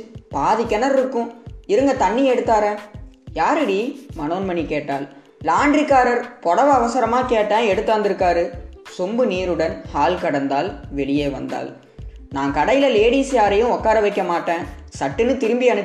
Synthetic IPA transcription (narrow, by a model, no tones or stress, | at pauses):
paːðɪkːɐnɐɾɪɾɯkːʊ̃ɪɾɯŋɡɐt̪ɐɳːiɛɽɯt̪ːaːɾẽːjaːɾɪɽimɐnoːnmɐɳikeːʈːaːl | laːɳɖrikːaːɾɐɾpɔɽɐʋɐɐʋɐsɐɾɐmaːkeːʈːẽːɛɽɯt̪ːaːnd̪ɪɾɯkːaːɾɯsʊmbɯniːɾɯɽɐnhaːlkɐɽɐnd̪aːlʋɛɭɪjeːʋɐ̰nd̪a̰ːl | naːŋkɐɽɐjɪlɐleːɽiːsjaːɾɐjɯ̃ɔkːaːɾɐʋɐɪkːɐmaːʈːẽː | sɐʈːɯnːɯt̪ɪɾɯmbɪɐnɯ